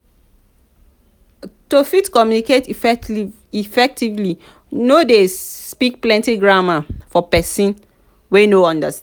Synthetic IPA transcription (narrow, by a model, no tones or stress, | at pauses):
tofitkɔmjuniketifɛ | ifɛk̚tivli | nodespik̚plɛ̃ntiɡɹamafɔpɛsĩn | wenoɔ̃ndas